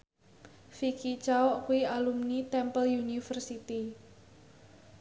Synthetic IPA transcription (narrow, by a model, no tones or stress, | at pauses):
fikit͡ʃaɔʔkuiʔalumnit̪ɛmpəljunifərsit̪i